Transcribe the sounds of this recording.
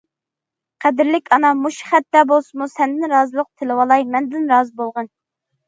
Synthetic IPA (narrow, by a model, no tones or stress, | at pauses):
qʰæd̪ɪɾlɪkʲʰɑnɑmuʃχæt̪ːɛbolˠsɨmusɛnd̪ɪnɾɑːzɨlˠəq̚t̪ʰɪlɨwɑlˠɑjmɛnd̪ɪnɾɑːzɨbolˠʁɑn